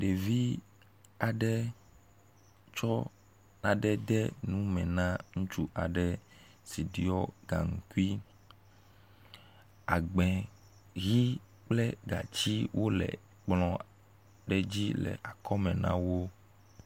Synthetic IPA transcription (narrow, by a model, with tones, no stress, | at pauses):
ɖe˨vi˦ | a˨ɖɛ˦ | t͡ʃɔ˦ | nã˨ɖɛ˦d̪ɛ˦nũ˦mɛ̃˨nã˦ŋũ˦t͡ʃu˦ʔa˨ɖɛ˨ | si˨ɖi˦ɔ˦ɡa̰˨ŋu˨ku˦i˦ | a˨ɡ͡bɛ̃˨ | ɣi˦ | k͡plɛ˦ɡa̰˨t͡ɕi˦wʔo˦lɛ̰˨ | k͡plɔ̃˦ | ɖɛ˦d͡ʑi˦lɛ̰˨ʔa˨kɔ˦mɛ̃˨nã̰˦wo˦